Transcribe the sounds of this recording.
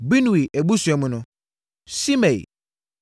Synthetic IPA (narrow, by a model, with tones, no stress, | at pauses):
bi˦n˨i˨ʔe˨bu˦su˨ɛ˨mʊ̃˨˦nʊ̃˦ | si˦mẽ˨j̰